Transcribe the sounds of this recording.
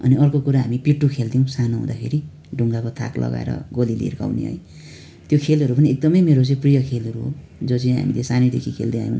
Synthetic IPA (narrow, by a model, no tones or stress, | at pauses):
ʌ̰niʌrkokuɾaɦamipiʈːukʰeld̪iũsanoɦṵ̃d̪akʰeɾi | ɖʱuŋɡakʌt̪ʰa̰klʔʌ̰ɡa̰ḛɾʌ̰ɡolilḭrka̰wnḭɦʌ̰j | t̪jokʰelɦʌɾupʌniek̚d̪ʌmʌjmeɾot͡sʌĩprijʌkʰelʌɾuɦo̰ | d͡zot͡sʌĩɦa̰milesaned̪ekʰikʰḛld̪ea̰jõ̰